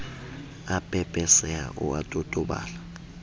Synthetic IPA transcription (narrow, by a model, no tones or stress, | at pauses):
apʼɛpʼɛsɛa̰ʔʊ̰atʼotʼʊɓa̰ːla